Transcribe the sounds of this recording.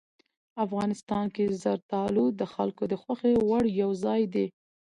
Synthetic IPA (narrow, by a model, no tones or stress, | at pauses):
afɣɑnɪst̪ɑnkezaɾt̪ɑlud̪əxa̰lkod̪əxwaxewaɽjawzɑjd̪e